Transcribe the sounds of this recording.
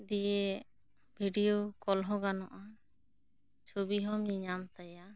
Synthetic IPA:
d̪ije | bʱiɖijokɔlɦɔ̃ɡanɔʔa | t͡ʃʰobiɦɔmɲiɲamt̪aja

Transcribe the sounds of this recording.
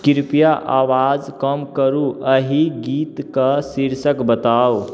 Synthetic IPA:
kiɾpijaʔawad͡ʒkəmkəɾuəɦiɡit̪kəsiɾsəkbət̪aw

